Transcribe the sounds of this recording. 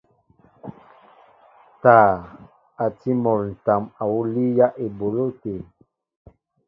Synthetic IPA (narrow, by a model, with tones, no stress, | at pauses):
taː˨ | a˨ti˦mɔ˨ɾn̩˨ta˨ma˨wu˦li˦ja˦ʔe˨bo˨lo˦te˨